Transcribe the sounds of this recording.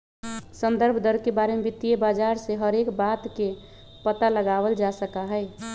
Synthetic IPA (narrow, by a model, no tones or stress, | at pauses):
sənd̪əɾbʱd̪əɾkebaɾemebit̪ːijebad͡ʒaɾseɦəɾekbat̪ke | pət̪aləɡabəld͡ʒasəkaɦəɪ